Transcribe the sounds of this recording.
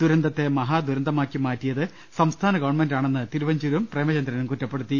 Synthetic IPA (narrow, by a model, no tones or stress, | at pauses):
d̪uɾɐnd̪ɐt̪ːe̞mɐɦaːd̪uɾɐnd̪ʱɐmaːkʲːimaːtːijɐðɨ | sɐmst̪ʰaːnɐɡɐʋɐɳmendaːɳe̞nːɨt̪iɾuʋɐɲd͡ʑuɾumpreːmɐt͡ɕɐnd̪ɾɐnumkutːɐpːe̞ɽut̪ːi